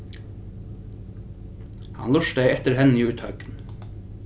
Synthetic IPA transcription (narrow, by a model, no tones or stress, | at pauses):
hɑ̰nlʊʃd̪æɪɛt̪əɾhɛnːiːʉːt̪hœʉkn̩